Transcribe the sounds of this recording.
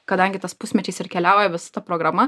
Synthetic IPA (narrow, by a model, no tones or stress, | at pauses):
kɐd̪ɐŋʲɡʲɪt̪ɐspʊsʲmʲɛt͡ʃʲɛɪsɪrkʲɛlʲæːʊjɛʋʲɪsɐ̥t̪ɐpɾoːɡɾɐmɐ